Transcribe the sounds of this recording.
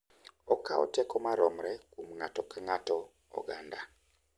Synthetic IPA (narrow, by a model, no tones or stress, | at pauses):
ɔkaɔ̰tɛkɔmaɾɔmɾɛkum̩ŋatɔkaŋatɔ | ɔ̰ɡanda